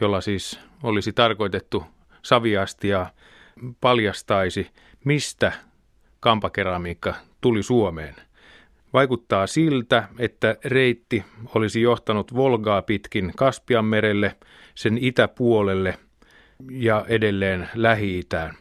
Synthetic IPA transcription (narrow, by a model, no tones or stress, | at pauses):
jolːɑsiːs | olisit̪ɑrkoit̪et̪ːu | sɑʋiɑst̪iɑ | pɑljɑst̪ɑisi | mist̪æ | kɑmpɑkerɑmiːkːɑt̪ulisuomḛːn | ʋɑikut̪ːɑːsilt̪æet̪ːæreit̪ːiolisijoht̪ɑnut̪ʋolɡɑːpit̪kinkɑspiɑmmeɾelːe | senit̪æpuolelːe | jɑʔedelːeːnlæhiit̪æːn